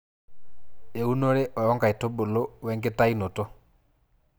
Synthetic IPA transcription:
e˨u˦no˦ɾe˦ʔɔ˨jɔ˦ŋɡa˨e˨to˦bo˨lo˦wɛ˦ŋɡe˦ta˦i˦no˨to˦

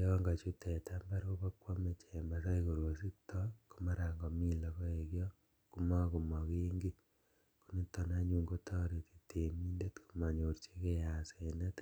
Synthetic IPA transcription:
jɔ˦ŋɡa˨t͡ʃu˦tʰe˨tamba˦ɾo˦ko˦kwo˦me˨t͡ʃe˨ma˨sa˦iko˨ɾwo˨si˦tʰɔku˦ma˦ɾa˨ŋɡɔ˨mi˦lɔ˨ko˦e˨kjɔ˦ | ku˦ma˦ku˨mɔ˨ki˦ŋɡi˦ | ku˦ni˦to˨na˦ɲu˨ŋɡo˦tʰa˦ɾe˨ti̥˨te˨mi˦nde˦tku̥˦ma˨ɲo˨ɾt͡ʃe˦ke˦ja˨se˨ne˦t

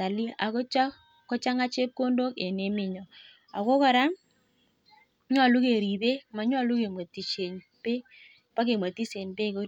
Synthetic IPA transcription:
a˨li˦a˨kɔ˦t͡ʃa˦ | kːɔ˦t͡ʃa˦ŋa˦t͡ʃe˦p̚ko˦ndo˦ke˨ne˨˦mɪ˨ɲɔ˨ | a˨ko˦ka˨ɾa˦m | ɲ˦a˨lu˦ke˨ɾi˨ðe˦ma˨ɲ˦a˦˨lu˦ke˨mwa˨ti˨t͡ʃe˨n | pe˦ | pa˦ke˨mwa˨ti˦se˨npe˦ko˦

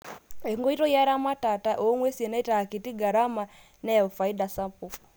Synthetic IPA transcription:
e˨ŋɡo˦i˦to˦ja˦ɾa˦ma˦ta˨ta˦ʔo˨˦ŋwe˦si˨e˨na˦i˦ta˨ki˨ti˦ɡa˨ɾa˦ma˨ | nɛ˦˨fa˨i˦da˨sa˦mpu

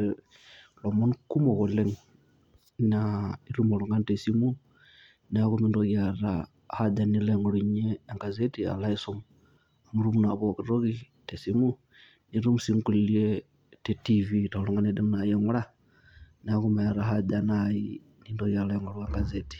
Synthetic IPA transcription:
lo˨mo˦nuku˦mo˨ɣo˨le˦ŋ | nai˦ɾu˦mo˨lu˨ŋɡa˦nte˨si˦mu˦ | n˨a˦kumi˦ndoɣja˨ɾa̰ | ha˦ɟa˨ni˦le˨ŋɡo˨lu˨ɲeː˦˨ŋɡa˨ze˦tia̰˨la˦i˦so˦mu | a˨mu˦ɾu˦mu˦na˨βo˨ki˨ɾo˦ɣite˨si˦mu˦ | ni˨˦ɾu˦mu˨si˦ŋku˨li˨lie˦ | te˦tivita˨lu˦ŋɡa˦ne˦de˦mna˨jeŋu˦la˦ | n˨a˦ku˦ma˨ja˨ɾaɦa˦danai | ni˦ndo˦ɣja˨la˦˨ŋɡoɾwa˨ŋɡa˨zeti̥˨

